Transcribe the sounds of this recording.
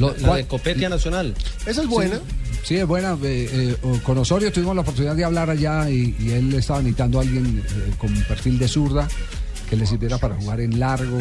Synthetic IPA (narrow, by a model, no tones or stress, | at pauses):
loaaðekopet̪janasjonales̬aezbwenasiezbwe̞naeeokonosoɾjost̪uβimozlaopoɾt̪uniðaðd̪eaβlaɾaʝaiːe̞lest̪aβanit̪and̪oalɡje̞nko̞mpeɾfild̪e̞suɾða | keles̬iɾd̪eɾapaɾaxuɣaɾenlaɾɣo